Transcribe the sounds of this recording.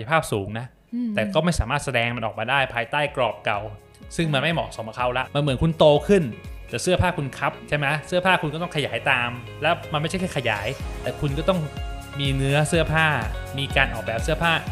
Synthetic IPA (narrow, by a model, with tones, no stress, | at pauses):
a˧pʰaː˥˩p̚suː˩˦ŋna˦˥ʔ | t̪ɛː˨˩kɔː˥˩ma˥˩jsaː˩˦maː˥˩t̪̚sa˧dɛː˧ŋma˧nʔɔː˨˩k̚maː˧daː˥˩jpʰaː˧jt̪aː˥˩jklɔː˨˩p̚ka˨˩w | sɯ˥˩ŋma˧nma˥˩jmɔ̰ː˨˩so˨˩˦mʔa˧˩kʰa˦˥wla˦˥ʔma˧nmɯ˩˦nkʰu˧nt̪oː˧kʰɯ˥˩nt̪ɛː˨˩sɯ˥˩ɐpʰaː˥˩kʰu˧nkʰa˦˥p̚t͡ɕʰa˥˩jma˦˥jsɯ˥˩pʰaː˥˩kʰu˧nkɔː˥˩t̪ɔ˥˩kʰjaː˩˦jt̪aː˧m | lɛ˦˥wma˧nma˥˩jt͡ɕʰkʰa˥˩kʰa˧ja̰ː˩˦jt̪ɛː˨˩kʰu˧nkɔː˥˩t̪ɔ˥˩ŋmiː˧nɯ˦˥ɐsɯ˥˩ɐpʰaː˥˩miː˧kaː˧nʔɔː˨˩k̚bɛː˨˩p̚sɯ˥˩ɐpʰaː˥˩